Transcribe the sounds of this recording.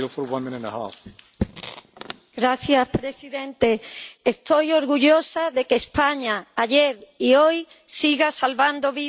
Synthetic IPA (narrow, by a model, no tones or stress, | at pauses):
lfɔɾwãnmɪ̃nẽtaha̰f | ɡɾaθjaspɾesiðẽnt̪eest̪ojoɾɣuʎosaðekespaɲaːʎeɾioj | siɣasalβand̪oβi